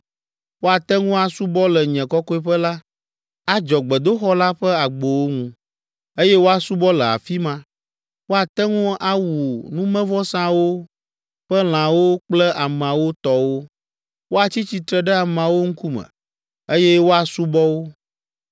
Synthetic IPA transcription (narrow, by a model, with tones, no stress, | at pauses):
wo˦a˨t̪ɛ˦ŋũ˦a˨su˦bɔ˦lɛ˨ɲɛ̃˨kɔ˦kɔ˦i˦ɸə˦la˦ | a˦d͡ʒɔ˨ɡ͡bɛ˨d̪o˦xɔ˦la˦ɸɛ˦a˨ɡ͡bo˨wo˦ŋũ˦ | e˦jɛ˦wo˦a˨su˦bɔ˦lɛ˨a̰˨fi˦mã˦ | wo˦a˨t̪ɛ˦ŋũ˦a˦wu˨nũ˦mɛ̃˦vɔ˦sã˦wo˦ | ɸə˦l̃ã˨wo˦k͡plɛ˦ʔa˨m˨a˨wo˦t̪ɔ˨wo˦ | wo˦a˨t͡ɕi˦t͡ɕi˨t̪ɾɛ˨ɖɛ˦a˨m˨ã˨wo˦ŋ̩˦ku˦mɛ̰̃˨ | e˦jɛ˦wo˦a˨su˦bɔ˦wo˦